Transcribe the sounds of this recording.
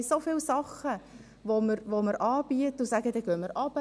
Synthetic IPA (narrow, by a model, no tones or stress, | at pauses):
sofɪlsɑχə | ʋoməɾʋoməɾʔɑːb̥iətʊsæɡədɛɡ̥œmːəɾʔɑb̥ə